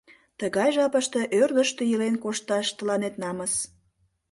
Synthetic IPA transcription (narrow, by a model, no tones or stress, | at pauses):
t̪əɣɑjʒɑpəʃt̪e̽ʔørd̪əʃt̪ejəlenkoʃt̪ɑʃt̪əlɑnet̪nɑməs